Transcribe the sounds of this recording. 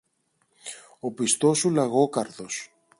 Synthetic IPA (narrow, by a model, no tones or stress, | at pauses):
o̞pist̪o̞sulɐɣo̞kɐɾθo̞s